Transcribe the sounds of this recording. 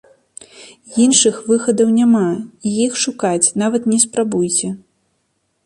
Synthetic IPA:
jinʂɨxvɨxɐd̪ɐwnʲamaijixʂukat͡sʲnavɐt̪nʲɛspɾabujt͡sʲɛ

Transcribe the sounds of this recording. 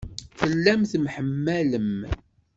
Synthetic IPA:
θəlːæmθmħəmːæləm

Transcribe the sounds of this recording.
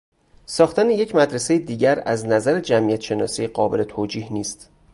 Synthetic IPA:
sɒːxt̪ænejecʰmæd̪ɾese̞jed̪iːɟæɾæ̰znæzæɾed͡ʒæmʔijæt̪ʃe̞nɒ̰ːsijeɢɒːbe̞le̞t̪ʰoːd͡ʒiːhniːst̪

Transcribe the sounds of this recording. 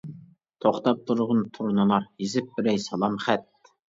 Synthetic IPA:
t̪ʰoχt̪ɑp̚t̪ʰuɾʁʊnt̪ʰuɾnɨlˠɑɾjizɪp̚bɪɾɛjsɑlˠɑmχæt̪̚

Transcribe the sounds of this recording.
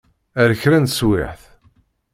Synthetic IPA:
æɾəçɾænt̪swɪ̰ħθ

